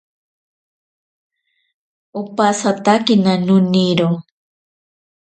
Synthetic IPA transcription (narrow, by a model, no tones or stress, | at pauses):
ʊpasat̪akinanʊniɾo